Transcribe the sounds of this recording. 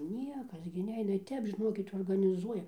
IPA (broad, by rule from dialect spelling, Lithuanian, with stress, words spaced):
ˈnʲiɛkɐs ɡʲɪ ˈnʲɛɪnɐ ɪr ˈtʲɛp ʒʲɪˈnoːkʲɪt oːrɡɐnʲɪˈzuɔjɛ